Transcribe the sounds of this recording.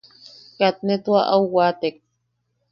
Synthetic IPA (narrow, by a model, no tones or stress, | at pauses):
kat̪̚net̪uaʔauwat̪ek̚